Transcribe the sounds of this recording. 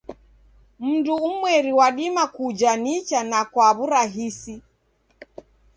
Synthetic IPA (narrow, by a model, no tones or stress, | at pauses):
m̩nduumwɛɾiwaɗimakud͡ʒanit͡ʃanakwaβuɾaɦisi